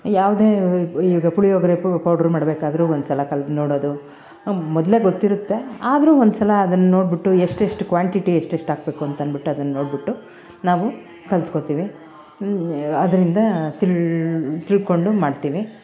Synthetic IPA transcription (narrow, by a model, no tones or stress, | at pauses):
jaːʋud̪e̞ːiːʋiːɡɐpuɭijoːɡɐɾepɐwɖɐɾmaːɽbeːkaːd̪ɐɾuːond̪usɐlɐkɐlno̞ːɽoːd̪u | mɔd̪le̞ːɡot̪ːiɾut̪ːe̞aːd̪ɾuːond̪usɐlɐːd̪ɐnːɐno̞ːɽbiʈːueʂʈeʂʈukʋaːɳʈiʈieʂʈeʂʈaːɡ̚be̞ːkuɐnt̪ɐnbiʈːuɐd̪ɐnːɐnoːɽbiʈːu | naːʋu | kɐlt̪kot̪iːʋi | ɐd̪ɐɾind̪ɐt̪iɭt̪iɭko̞ɳɖumaːɖt̪iːʋi